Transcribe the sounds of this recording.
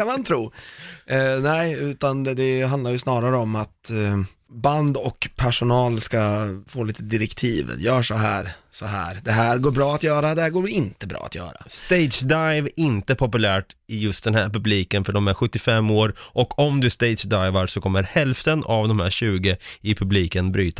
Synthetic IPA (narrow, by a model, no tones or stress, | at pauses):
kanmant̪ʰɾuː | nɛɪʉ̟ːt̪and̪ɛɦand̪aɾjɵsnɑːɾaɾəɔmat̪ | band̪ɔkpʰæʂʊnɑːlskafoːliːt̪əd̪ɪɾɛkt̪ʰiːv̰jœːʂɔɦæ̰ːɾsɔɦæ̰ːɾd̪ɛɦæːɾɡoːɾbɾɑːat̪jœːɾad̪ɛhæːɾɡoːɪnt̪əbɾɑ̰ːat̪jœ̰ːɾa̰st̪eɪd̪sd̪ajvɪnt̪əpʰɔpɵlæːʈɪjɵst̪d̪ɛnhæːɾpɵbliːkənfœɖɔmæɾɧɵt̪ːɪfɛmːoːɾʔɔkʰɔmd̪ɵst̪eɪd̪ʂd̪aɪvaɾsɔkʰɔmːəɾhɛlft̪ənavd̪ɔmhæːɾɕʉ̟ːɡəɪpʰɵbliːkənbɾyːt̪a